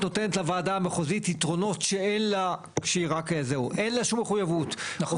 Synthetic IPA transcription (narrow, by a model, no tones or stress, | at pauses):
no̞t̪enetlavaːdaːmeχozititʁo̞no̞tʃeenla | kʃeiʁakezeuʔenlaʃumːeχujavut